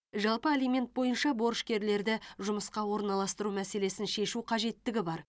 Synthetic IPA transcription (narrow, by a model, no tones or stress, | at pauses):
ʒɑlˠpəelijme̞nt̪̚bo̞jənʃɑbo̞ɾʃkʲe̞ɾle̞ɾd̪ɪʒʊməsqɑwo̞ɾnɑlˠɑst̪əɾumæse̞le̞sɪnʃe̞ʃuqʰɑʒe̞t̪ːɪɡʲɪbɑɾ